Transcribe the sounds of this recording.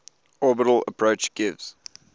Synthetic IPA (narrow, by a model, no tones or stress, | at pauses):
ɔːbəɾəl̩ə̰pʰɹ̥əʊt͡ʃɡ̥ɪvz̥